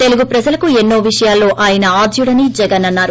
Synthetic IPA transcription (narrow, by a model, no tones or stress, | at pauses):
t̪e̞luɡupɾɐd͡ʒɐlɐkuenːo̞ːʋiʂɐjaːlːo̞ːʔaːjɐnɐaːd̪ʱjuɽɐnid͡ʒɛɡɐnɐnːaːɾu